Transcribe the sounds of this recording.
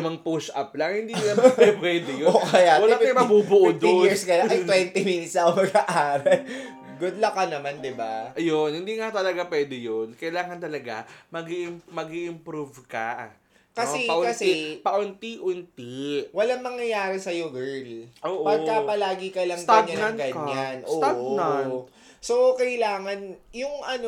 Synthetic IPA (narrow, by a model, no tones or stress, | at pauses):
ɪmɐŋpusʔɐ̰p̚lɐŋhɪnd̪inaɛpwɛːd̪ɪjooʔkkɐjawɐlaɐjmɐbubʊʔod̪ojiɹskɐjaʔɐjt̪wɛnt̪iminɪt̪sɐʊmɐɡ̚ɐʔaːɾɛ | ɡod̪lɐkɐnɐmand̪ɪbaʔɐjonhɪnd̪iːŋɐt̪ɐlɐɡapwɛːd̪ɪjonkɐjlaːŋɐnt̪ɐlɐɡa̰mɐɡiɪmmɐɡiʔɪmpɾuvkɐʔ | kɐsɛpɐʔʊksɛpɐʔʊnt̪iʔʊnt̪iwɐlaŋmɐŋjɐjaːɾɪsɐjoɡɛɹlʔoːʔpɐɡkɐpɐlaːɡɪkɐlɐŋɡ̪aɲɐnnɐnɡɐkɲːanʔsoːaona | sokɐjlaːŋɐnjʊŋʔɐno